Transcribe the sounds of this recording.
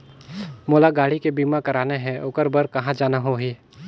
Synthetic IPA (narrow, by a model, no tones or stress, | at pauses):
moːlaɡaːɽikebiːmakɐɾaːneɦɛ̃ʔʊkəɾbəɾkɐɦãd͡ʒaːnaɦoɦiː